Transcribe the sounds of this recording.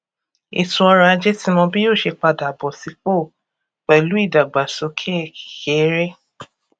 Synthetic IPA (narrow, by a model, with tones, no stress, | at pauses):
ḭ˨tũ˧˦ɔ˧ɾa˧a˧d͡ʒe˦tĩ˦mɔ̃˧bi˦joː˦˨ʃe˧k͡pa˧˨da˨bɔ˨si˨˧ko˦˨ | k͡pɛ˨i˨lu˨˦i˦˨da˨ɡ͡ba˨so˨˦kʰe˦˨i˨ke˨˦ɾe˦